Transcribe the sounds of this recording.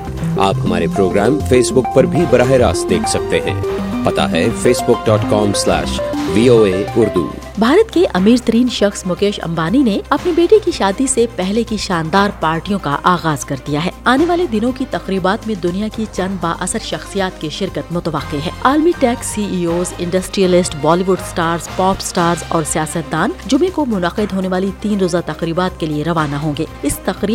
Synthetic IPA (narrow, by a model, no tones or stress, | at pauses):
a̰ːpɦɐma̰ːɾepɾoːɡɾɛːmfeːsbʊk̚pɐɾbʱibɐɾaːɦeɾa̰ːsd̪eːkʰsɐk̚t̪eɦɛ̰̃ːpɐt̪a̰ɦɛ̰feːsbʊk̚ɖɔːʈkɔːmslɛ̰ːʃʋiːoːeːʊɾd̪ṵ | bʱaːɾət̪keʔɐmiːɾt̪ɐɾiːnʃɐxsmʊkeːʃɐ̰̃mbaːnineɐpnibeːʈekiʃaːd̪isepɛɦlekiʃaːnd̪aːɾpaːɾʈijõkaʔaːɣaːzkɐɾd̪ijaɦɛːaːneʋaːled̪ɪnõkit̪ɐqɾiːbaːt̪mẽd̪ʊnijakit͡ʃɐ̃nd̪ba̰ːʔɐsəɾʃɐxsijaːt̪keʃɪɾkət̪mʊt̪əʋɐqːeɦɛ̰ːaːlmiʈɛːksːiːiːoːzɪ̃ɳɖɐsʈɾijəlɪsʈʋɔːliʋʊɖsʈaːɾzpɔːpsʈaːɾzɔːɾsijaːsət̪̚d̪aːnd͡ʒʊmẽkomʊnəqɪd̪ɦoːneʋaːlit̪iːnɾoːzat̪ɐqɾiːbaːt̪kelieɾɐʋaːnaɦõːŋɡeːɪst̪ɐqɾiːb